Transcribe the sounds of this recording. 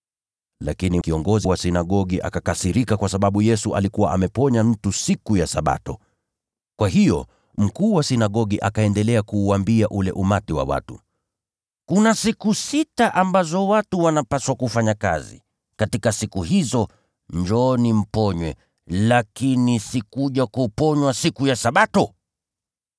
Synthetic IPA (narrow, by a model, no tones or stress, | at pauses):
la̰kinikiɔŋɡɔziwasinaɠɔɠiʔa̰kakasiɾikakwasaɓaɓujɛsuʔa̰likuwaʔamɛpɔɲam̩tusikujasaɓa̰tɔ | kwaɦijɔ̰ | m̩kuːwasinaɠɔɠiʔakaɛndɛlɛakuːwambiaʔulɛ̰ʔumatiwa̰wa̰tṵ | kunasikusitaʔambazɔwatuwanapaswakufaɲaka̰zḭ | katikasikuhizɔ | ɲd͡ʒɔnim̩pɔɲwɛ̰ | lakinisikuʄakupɔɲwasikujasaɓatɔ